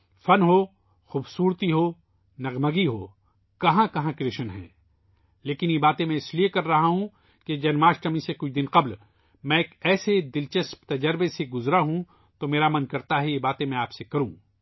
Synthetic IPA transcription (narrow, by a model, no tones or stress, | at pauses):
fɐnɦoː | xuːbsuːɾt̪iɦo | nɐɣməɡiɦo̰ː | kɐɦãkɐɦãkɾeːʃənɦɛ̰̃ː | leːkɪnjebaːt̪ẽmẽɪsliekɐɾːɐɦaɦũ | ked͡ʒɐnmaːʃʈɐmĩsekʊt͡ʃʰd̪ɪnqɐbl | mɛ̃eːkɛːsed̪ɪlt͡ʃɐspt̪ɐd͡ʒəɾbeseɡʊzɾaɦũ | t̪omeːɾamɐnkɐɾt̪aɦɛjebaːt̪ẽmẽaːpsekɐɾũː